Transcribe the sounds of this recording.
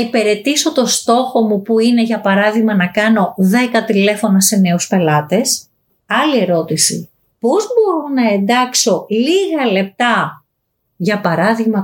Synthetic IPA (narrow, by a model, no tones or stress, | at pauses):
ipe̞ɾe̞t̪iso̞t̪o̞st̪o̞xo̞mupuine̞ʝɐpɐɾɐðiɣmɐnɐkɐno̞ðe̞kɐt̪ile̞fo̞nɐse̞ne̞uspe̞lɐt̪e̞s | ɐlie̞ɾo̞t̪isḭ | po̞zbo̞ɾunɐe̞nd̪ɐkso̞liɣɐle̞p̚t̪ɐ | ʝɐpɐɾɐðiɣmɐ